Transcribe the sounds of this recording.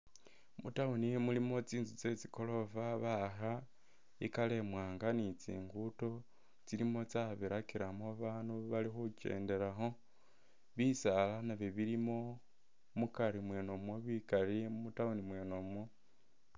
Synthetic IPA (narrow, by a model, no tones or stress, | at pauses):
mutaunimulimo̞t͡siːnzut͡se̞t͡siko̞lo̞faβaxa | ikale̞mwaːŋɡanit͡sḭːŋɡuto̞ | t͡siɾimo̞t͡saβiɾakiɾamoβaːnuβalixuce̞̰ːnde̞ɾaxo̞ | βisalanaβeβiɾimo̞ | mukaɾimweːnomwoβikaɾiumutaunimweːnomwo